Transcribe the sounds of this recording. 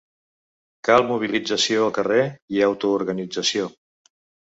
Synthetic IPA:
kalˠmuβ̞ilid͡zəsioəlˠkəreiəwt̪uːɾɣənid͡zəsio

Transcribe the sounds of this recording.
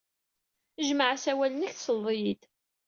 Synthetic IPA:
ʒməʕasæwælənəçθsəlˤːijid̪

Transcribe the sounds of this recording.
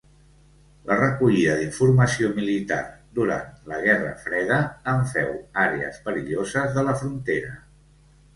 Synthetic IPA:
lərəkuʎiðəðiɱfuɾməsiomilit̪a̰ɾd̪uɾa̰nt̪ləɣ̞ɛrə̰fɾɛðəːɱfɛwaɾeə̰spəɾiʎozəzðələfɾunt̪eɾə

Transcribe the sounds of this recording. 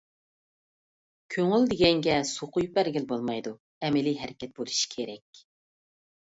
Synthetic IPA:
kʲʰøŋyld̪ɪɡʲɛŋɡʲɛsoqʰujpæɾɡʲɪlbolˠmɑjd̪u | ɛmɪliɦɛɾɪkʲɛt̪̚bolˠuʃi̥kʲʰeɾɛkʲ

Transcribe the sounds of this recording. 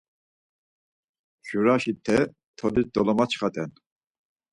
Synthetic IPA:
ʒ̥uɾaʃit̪ʰɛ | t̪ʰɔlisd̪ɔlɔmat͡ʃχat̪ʼɛn

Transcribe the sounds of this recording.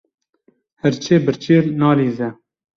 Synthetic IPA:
hɛɾt͡ʃʰeːbɨɾt͡ʃiːɾnɑːliːzɛ

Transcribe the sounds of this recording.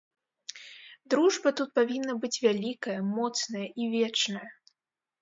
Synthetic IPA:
d̪ɾuʐbɐt̪ut̪̚pavʲinːɐbɨt͡sʲvʲalʲikɐjɐmɔt̪snɐjɐʔivʲɛt͡ʂnɐjɐ

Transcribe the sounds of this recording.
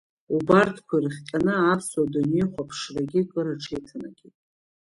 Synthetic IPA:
ubartʰkʷʰarɨχʲtʼanɨapʰswadunejχʷapʰʂraɡʲɪkʼɨɾɨʈ͡ʂʰejtʰɨnaɡʲitʼ

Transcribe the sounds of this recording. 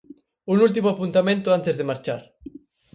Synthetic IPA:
unult̪̬imoapunt̪amẽnt̪ʊant̪ezðemaɾt͡ʃaɾ

